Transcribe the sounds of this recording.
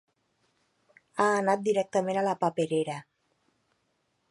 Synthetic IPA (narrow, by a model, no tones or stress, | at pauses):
aːnat̪̚d̪iɾɛk̚t̪əmenalapapeɾeɾa